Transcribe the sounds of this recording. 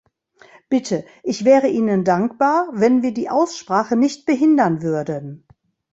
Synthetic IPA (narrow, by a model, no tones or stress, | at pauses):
b̥ɪtʰə | ʔɪçv̥ɛːʁəʔiːnəndaŋkb̥aːɐvɛnviːɐdiːʔaʊsʃpʁ̥aːχənɪçt̚b̥əɦɪndɐnvʏɐdən